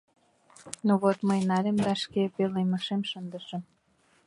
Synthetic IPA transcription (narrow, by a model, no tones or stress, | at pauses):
nuβot̪məjnɑlʲemd̪ɑʃkepeleməʃemʃənd̪əʃə̆m